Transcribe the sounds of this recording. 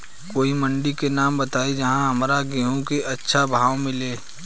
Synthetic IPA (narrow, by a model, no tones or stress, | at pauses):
koːimə̃ɳɖikenaːmbət̪aːid͡ʒɐɦãɦɐmɾaɡeɦõkeʔɐtːʃʰabʱaːʋmɪleː